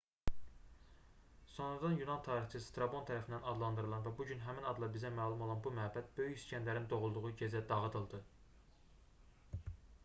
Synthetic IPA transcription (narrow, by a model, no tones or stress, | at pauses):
so̞nɾɑd̪ɑnjunɑnt̪ʰɑːɾiχt͡ʃ̪ʰist̪ɾɑbo̞nt̪ʰæɾæfind̪ænɑd̪lˠɑnd̪ɯɾɯlˠɑnvæbuɟynɦæminɑd̪lˠɑbizæmæːlˠumo̞lˠɑnbumæɦæbæt̪̚bø̞jyçiscʰænlæɾind̪o̞ʁulˠd̪uʁuɟezæd̪ɑʁɯd̪ɯlˠd̪ɯ